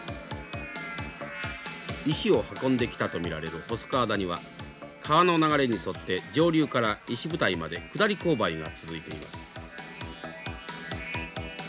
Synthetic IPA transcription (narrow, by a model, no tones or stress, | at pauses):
iɕio̞hakõ̞nd̪e̞kʲi̥t̪at̪o̞mʲiɾaɾe̞ɾɯ̟ho̞so̥kaːd̪aɲ̟iβa̰ | kʰaβano̞naɡaɾe̞ɲ̟iso̞t̪ːe̞d͡ʑo̞ːɾʲɯːkaɾaiɕibɯ̟t̪aimad̪e̞kɯ̟d̪aɾʲiko̞ːbaiɡa̰t͡sɨzɨit̪e̞ḭma̰sɨ̥